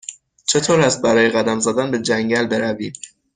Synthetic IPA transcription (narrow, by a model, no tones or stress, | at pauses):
t͡ʃʰe̞t̪ʰoːɾæst̪̚bæɾɒːjeɣæd̪æmzæd̪ænbe̞d͡ʒæŋɟælbe̞ɾæviːm